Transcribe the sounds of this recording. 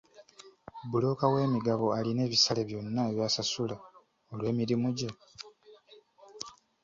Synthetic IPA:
bulo̞kawe̞ːmiɡaβo̞aline̞ːβisale̞βjo̞nːaeβjaːsasula | o̞lwe̞ːmiɾimuɟe

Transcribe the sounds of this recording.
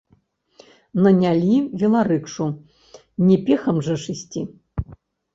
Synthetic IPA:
nɐnʲalʲivʲilˠaɾɨkʂu | nʲɛpʲɛxɐmʐɐʂɨsʲt͡sʲi

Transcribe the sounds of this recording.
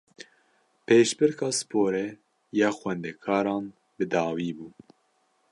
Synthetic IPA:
pʰeːʃbɨɾkʰɑːsɨ̥pʰoːɾɛ | jɑːxwɛnd̪ɛkʰɑːɾɑːn | bɨd̪ɑːwiːbuː

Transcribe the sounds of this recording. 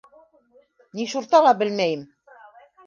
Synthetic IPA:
niʃuɾt̪ɑlˠɑbɘ̆lmæjɘm

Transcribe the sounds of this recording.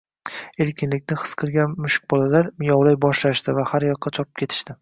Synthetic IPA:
e̞ɾkʲʰɪnlɪkʲnɪχɨ̥sqʰɨɾɡʲanmʊʃɪ̥k̚ʲbɒlalaɾmɪjɒwlajbɒʃlaʃt̪ɪvahaɾjɒqːɑt͡ʃʰɒpʰɪ̥pkʲʰe̞t̪ʰɪ̥ʃt̪ɪ

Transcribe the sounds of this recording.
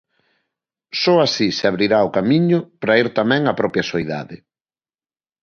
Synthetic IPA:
sɔasiseaβɾiɾaʊkamiɲʊpɾaiɾt̪amɛ̃ŋɐpɾɔpjɐsoiða̰ðɪ

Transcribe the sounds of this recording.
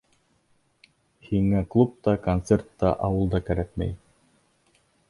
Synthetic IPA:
hiŋæklˠup̚t̪ɑkont̪sert̪ːɑ̰ʔɑwɤ̆lˠd̪ɑkæɾækmæ̰j

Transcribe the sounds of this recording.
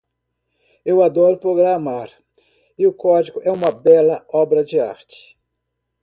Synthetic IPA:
ewad̪ɔɾʊpɾoɡɾamaɾ | ɪʊkɔd͡ʒiɡʊʔɛũmɐbɛlɐɔbɾɐd͡ʒɪa̰ɾt͡ʃɪ̥

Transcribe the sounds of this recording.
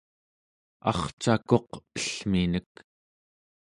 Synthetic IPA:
ɑ̰χt͡ʃako̞qəɬminək

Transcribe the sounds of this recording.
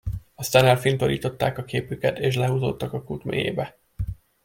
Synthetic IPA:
ɒst̪aːnɛlfint̪o̞lḭːt̪o̞t̪ːaːkɒkeːpykɛt̪eːʃlɛɦuːzo̰ːt̪ːɒkɒkut̪mḛːjḛːbɛ

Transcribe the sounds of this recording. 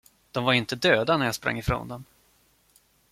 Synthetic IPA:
d̪̥ɔmvaɾɪnt̪əd̪øːd̪anæɾjaspɾa̰ŋːɪfɾo̰ːnd̪ɔm

